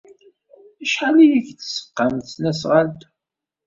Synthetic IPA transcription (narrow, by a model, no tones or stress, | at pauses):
æʃħalijiçθsə̥qːəmθnæsʁalt̪